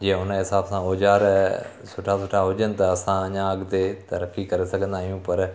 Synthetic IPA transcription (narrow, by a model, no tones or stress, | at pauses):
d͡ʒeːʊnãɦɪsaːpsãːɦoːd͡ʒaːɾ | sʊʈʰaːsʊʈʰaːɦoːd͡ʒənt̪ãəsãːɲãːəɡd̪eːt̪əɾəkːiːkəɾeːsəkʰənd̪aːɦijũːpəɾ